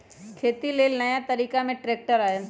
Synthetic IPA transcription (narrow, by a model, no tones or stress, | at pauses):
kʰeːt̪ileːlnɐjat̪ɐɾiːkamẽʈɾeːk̚ʈəɾaːe